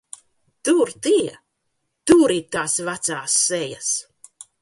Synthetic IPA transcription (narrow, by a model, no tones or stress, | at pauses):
t̪uɾt̪iɛ | t̪uːɾit̪aːsvat̪saːsːɛja̰s